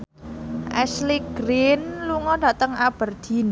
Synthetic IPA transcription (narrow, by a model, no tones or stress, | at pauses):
ʔɛsliɡ̥ɾinluŋɔɖ̥ä̤t̪əŋab̥ərd̪̥in